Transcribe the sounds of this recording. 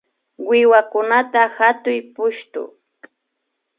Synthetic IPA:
wɪwakʊnat̪ahat̪ʊjpʊʃt̪ʊ̰

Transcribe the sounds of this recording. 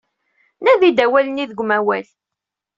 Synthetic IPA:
næðid̪æwæləniðəɡʷmæwæl

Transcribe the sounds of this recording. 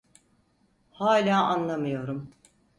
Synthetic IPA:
haːlʲaːʔanlˠamɯjo̞ɾum

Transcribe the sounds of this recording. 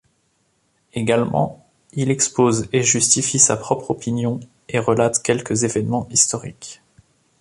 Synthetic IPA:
eɡalmɑ̰̃ | ilɛkspozeʒyst̪ifisapχɔpχɔpinjɔ̃ | eʁəlat̪kʲɛlkəzevɛnmɑ̃ist̪ɔʁik

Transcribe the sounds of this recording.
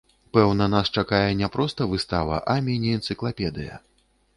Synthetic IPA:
pɛwnɐnast͡ʂakajɛnʲɛpɾɔst̪ɐvɨst̪avɐ̰ʔamʲinʲɛɛnt̪sɨklˠapʲɛd̪ɨjɐ̰

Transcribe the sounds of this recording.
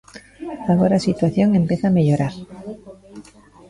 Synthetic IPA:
aɣ̞oɾasit̪waθjo̞ŋẽ̞mpeθameʎoɾaɾ

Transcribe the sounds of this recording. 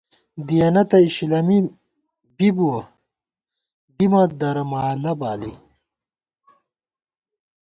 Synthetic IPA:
d̪ijɐnɐt̪ɐiɕilɐmi | bibuwɐ | d̪imɐd̪ɐɾɐmaːlɐbaːli

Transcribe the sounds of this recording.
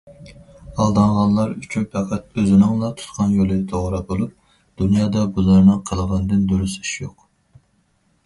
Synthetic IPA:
ɑlˠd̪ɑŋʁɑnlˠɑɾyt͡ʃʰynpʰɛqʰæt̪øzɪnɪŋlˠɑt̪ʰu̥t̪qʰɑnjolˠɨt̪ʰoʁɾɑbolˠup̚ | d̪̥unjɑːd̪ɑbuzɑɾnɨŋqʰəlˠəʁɑnɨd̪ɨnd̪uɾysi̥ʃjoq

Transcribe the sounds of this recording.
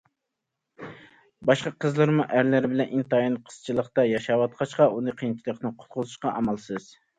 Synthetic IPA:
bɑʃqɑqʰəzlˠɨɾmuʔæɾlæɾbɪlɛnʔint̪ɑjilˠɨqʰə̥z̥t͡ʃʰilˠəqt̪ɑjɑʃɑwɑt̪̚qʰɑʃqɑʔunɨqʰijnt͡ʃʰilˠəqnɨqʰʊ̥t̪qʰʊzuʃqɑʔɑmɑlˠsɨz̥

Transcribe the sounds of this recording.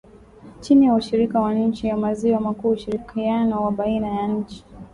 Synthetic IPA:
t͡ʃinijauʃiɾikawaɲ̩t͡ʃijamaziwamakuːuʃiɾikʰianɔwaɓainajaɲ̩t͡ʃi̥

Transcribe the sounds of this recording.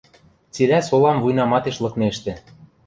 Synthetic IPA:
t͡silæsolɑmvujnɑmɑt̪eʃlɤ̆kneʃt̪ĕ

